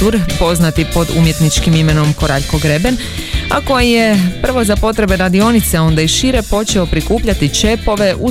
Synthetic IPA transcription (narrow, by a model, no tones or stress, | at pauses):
uɾpo̞znat̪ipo̞d̪ṵmje̞t̪nit͡ʃkimime̞no̞mko̞ɾaʎko̞ɡɾe̞be̞n | ako̞jije̞pr̩ʋo̞zapo̞t̪ɾe̞beɾad̪io̞nit̪seo̞nd̪aiʃiɾe̞po̞t͡ʃe̞o̞pɾikuːpʎat̪it͡ʃe̞po̞ʋe̞ʔu